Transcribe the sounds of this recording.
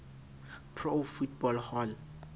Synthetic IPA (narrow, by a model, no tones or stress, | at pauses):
pʰrofut̚bɔlhɔl